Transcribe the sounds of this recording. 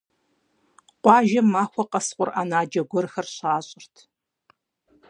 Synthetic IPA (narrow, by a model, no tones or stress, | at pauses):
qʷɑːʒɐmːaːxʷɔqɐsqʷʼʊra̰ːnaːd͡ʒɐɡʷɔrxɐrɕaːɕʼɪrtʰ